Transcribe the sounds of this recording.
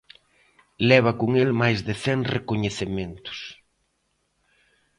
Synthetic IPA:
lɛβ̞akoŋelmajzðɪθɛŋrekoɲeθemẽnt̪ʊ̥s

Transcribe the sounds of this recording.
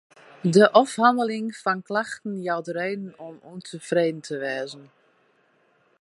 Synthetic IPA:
dəʔɔfhandəlɪŋfɔnklaxtən̩jawdəɾeːdən̩ɔmuntʰəfreːdən̩tʰəʋɛːzən̩

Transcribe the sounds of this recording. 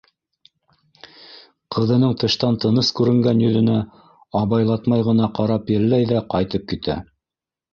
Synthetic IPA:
qʰɤ̆ðɤ̆nɤɴt̪ɤ̆ʃt̪ɑnt̪ɤ̆nɤskʉɾɘ̆ŋɡænjɵ̆ðɘ̆næ | ɑβɑjlˠɑt̪mɑjʁɤ̆nɑqɑɾɑpjɘ̆lːæjðæqɑjt̪ɤp̚kit̪æ̰

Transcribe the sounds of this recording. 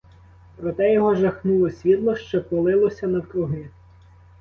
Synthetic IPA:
pɾɔt̪ɛjɔɦɔʒɐxnulˠɔsʲʋʲit̪lˠɔʃt͡ʃɔpɔlˠɪlˠɔsʲɐnɐkɾʊɦɪ

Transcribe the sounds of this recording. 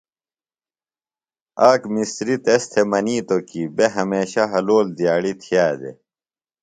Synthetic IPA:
aːkmisɾit̪est̪ʰemɐniːt̪okibeɦɐmeːɕaɦɐloːld̪ijaːɽit̪ʰijaːd̪ḛ

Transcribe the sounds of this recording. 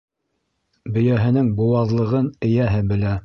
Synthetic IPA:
bɵ̆jæɦɘ̆nɘŋbuwɑðlˠɤ̆ʁɤnɘ̆jæɦɘbɘ̆læ

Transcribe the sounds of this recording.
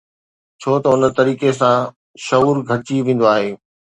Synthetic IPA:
t͡ɕʰoːt̪ɐʊnət̪ɐɾiːkesã | ʃɐuːɾɡʱɐɽɪt͡ɕiʋẽːn̆d̪oaːɦeː

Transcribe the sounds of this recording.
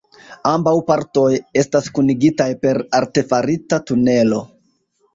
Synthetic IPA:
ambawpaɾto̞je̞staskuniɡitajpe̞ɾaɾte̞faɾitatune̞lo̞

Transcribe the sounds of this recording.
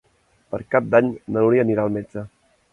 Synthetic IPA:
pə̰ɾkap̚d̪aɲnənuɾiəniɾaəlˠmed͡ʒə

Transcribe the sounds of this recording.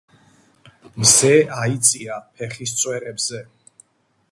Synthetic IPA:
mzɛait̪sʼiapʰɛχist̪sʼwɛɾɛbz̥ɛ

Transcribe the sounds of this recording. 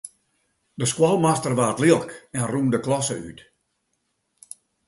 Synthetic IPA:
dəskwɔlˠmastərʋaːtliəlˠkɛnrumdəklɔsə̰y̰t

